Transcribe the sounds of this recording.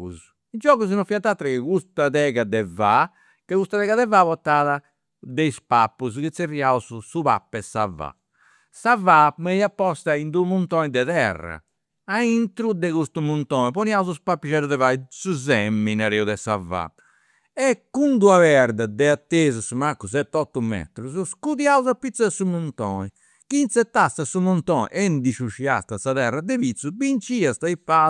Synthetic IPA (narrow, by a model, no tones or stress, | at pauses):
ṵs | id͡ʒɔːɣuz̬nɔfiat̪ːat̪ːɾɛkekust̪aðɛɣad̪ɛva | kekust̪aðɛːɣaðɛvaβɔt̪ːaːða | d̪eispapːuzkit̪sːeriauzusuβa̰pːɛsava̰ | savameiapːɔst̪aind̪umunt̪ɔnid̪ɛðɛ̰rːa̰ | aint̪ɾud̪ɛɣust̪umunt̪ɔːnɛpɔniauzuspapːiʃɛɾuðɛvaisuzɛmːinaɾɛuðɛsa̰va̰ | ɛkːund̪uavɛɾd̪ad̪ɛat̪ːeːzusumakːusɛt̪ːɔt̪ːumɛ̰t̪ɾus̬uskuðiauzapːit̪saɛsumunt̪ɔ̰ːni | kint̪sɛt̪ːast̪asumunt̪ɔːnḭʔɛnd̪iʃuʃia̰st̪asaðɛrːad̪ɛpit̪subint͡ʃiast̪aipːa